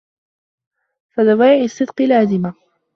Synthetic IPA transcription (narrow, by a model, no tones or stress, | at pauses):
faðawaːʕɪsːɨd̪qɨlaːzɪma